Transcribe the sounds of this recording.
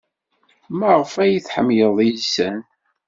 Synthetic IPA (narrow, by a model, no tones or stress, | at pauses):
mæʁfæjiθħəmjəðˤjisæn